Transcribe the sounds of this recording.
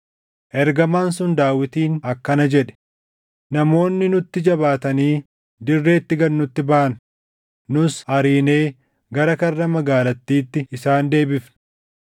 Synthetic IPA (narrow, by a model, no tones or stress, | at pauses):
ʔɛɾɡɐmaːns̬ʊnd̪aːwɪt̪iːnɐkːɐnɐd͡ʒɛᶑɛ̥ | nɐmo̞ːnːɪnʊt̪ːɪd͡ʒɐbaːt̪ɐniː | d̪ɪrːe̞ːt̪ːɪɡɐnːʊt̪ːɪbaːɐn | nʊshɐɾiːne̞ː | ɡɐɾɐkɐrːɐmɐɡaːlɐt̪ːiːt̪ːɪːsaːnd̪e̞ːbɪfn